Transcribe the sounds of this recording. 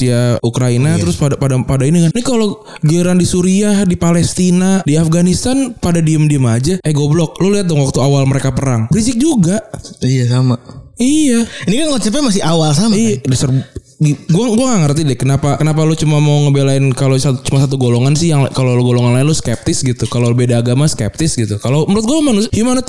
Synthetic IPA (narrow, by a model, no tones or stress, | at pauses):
t̪ijaʔukɾainat̪əɾʊspadapadapadainiŋannikalo | ɡiɾandisuɾiahdipalɛst̪inadiafɡanist̪anpadadiəmdiəmad͡ʒaɛɡoblɔk̚lʊliat̪̚dɔŋwak̚t̪uawalməɾekapəɾaŋbɾisɪk̚d͡ʒuɡaʔijasamaijainikanɡat͡ʃap̬ɛmas̬ɪhawalsamaijadəsərb | iɡuaɡuaŋaŋərt̪idɛkənapakənap̬alot͡ʃumamawŋəbelaɪnkalosat͡ʃumasat̪̬uɡoloŋansɪhjaŋkaloloɡoloŋanlaɪnloskɛp̚t̪ɪsɡit̪ukalolbedaːɡamaskɛ̰p̚t̪ɪsɡit̪ukaloməɾʊt̪ɡomanushjumanɔt̪